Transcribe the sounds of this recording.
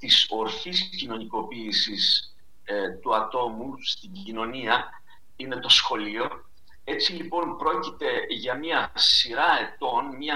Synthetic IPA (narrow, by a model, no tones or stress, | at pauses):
t̪iso̞ɾçiscino̞niko̞piːsis | t̪uɐt̪o̞must̪iɟino̞niɐ | ine̞t̪o̞sxo̞lio̞ | e̞t͡silipo̞npɾo̞cit̪e̞ʝɐmɐsiɾɐe̞t̪o̞nmɲɐ